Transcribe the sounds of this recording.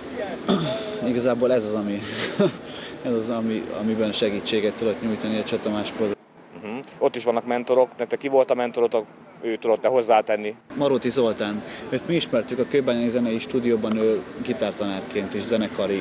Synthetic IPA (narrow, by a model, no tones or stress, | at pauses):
iɡɒzaːboːlɛzɒzɒmi | ɛzɒzɒmiɒ̰mibɛnʃɛɡiːt͡ʃːeːɡɛt̪ːud̪ot̪ɲuːjt̪ɒniɒt͡ʃot̪omaːʃbol̩ | ɦ̩o̞t̪ːiʃʋɒnːɒkmɛnt̪o̞ɾo̞kt̪ɛt̪ɛkːivo̞lt̪ɒmɛnt̪o̞ɾot̪ɒ | øːt̪ud̪o̞t̪ːɛho̞zːaːt̪ɛnːimɒɾot̪izo̞lt̪aːnøːt̪miiʃmɛrt̪ykɒkøbːɛlnɛɡzɛnɛjiʃt̪uːd̪ijoːbɒnøːɡit̪aːrt̪ɒnaːrkeːnt̪iʃzɛnɛkɒɾi